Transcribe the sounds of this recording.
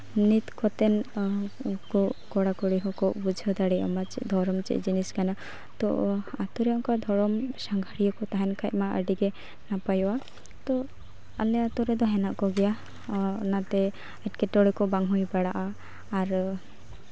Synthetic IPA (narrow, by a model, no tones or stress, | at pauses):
nit̪kɔt̪ɛn | kɔkɔɽakɔɽiɦɔkɔʔbud͡ʒʱɔd̪aɽiʔɔ̰mat͡ʃɛ̰ʔd̪ʱɔɾɔmt͡ʃɛ̰ʔd͡ʒiniskana | t̪ɔ̰at̪ɔɾɛɔŋkad̪ʱɔɾɔmsaŋɡʱaɽijɔkɔt̪aɦɛnkʰaʔmaʔə̰ɖiɡɛ | napajɔwa | t̪ɔ | alɛat̪ɔɾɛd̪ɔɦɛnaʔkɔɡɛja | nat̪ɛ | ɛʈkɛʈɔɽɛkɔbaŋɦujbaɽaʔaː | ɾ